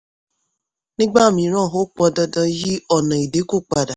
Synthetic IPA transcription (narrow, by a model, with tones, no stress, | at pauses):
nɪ˦ɡ͡ba˦˨mi˨ɾɔ˦˨ɦʊ˦k͡pɔ˦dɔ˦dɔ˦ji˦ɔ˨na˨i˨de˦kʊ˦k͡pa˨da˨